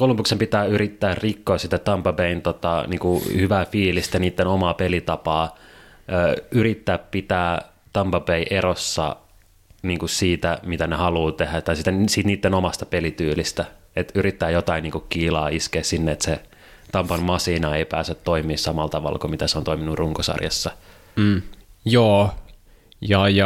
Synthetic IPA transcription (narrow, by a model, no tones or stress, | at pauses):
kolumpuksempit̪æːyɾit̪ːæːrrikːoːsit̪æt̪ɑmpɑpeint̪ot̪ɑ̰niːŋkuhyʋæfiːlist̪æniːt̪ːenomɑːpelit̪ɑpɑː | øːyɾit̪ːæːppit̪æː | t̪ɑmpɑpeiʔeɾosːɑ̰ | niːŋkussiːt̪æmit̪ænehɑluːt̪ehæt̪ɑisit̪æsiːt̪niːt̪ːenomɑst̪ɑpelit̪yːlist̪æ | et̪yɾit̪ːæːjot̪ɑiniːŋkukkiːlɑːiskeːssinːeet̪se | t̪ɑmpɑnmɑsiːnɑeipæːsøt̪t̪oimiːssɑmɑlt̪ɑʋɑ̰lkomit̪æseont̪oiminurruŋkosɑ̰rjɑ̰sːɑ | joː | jɑjɑ